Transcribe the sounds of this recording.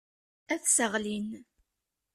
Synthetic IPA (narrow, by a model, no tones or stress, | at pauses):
æθsəʁlin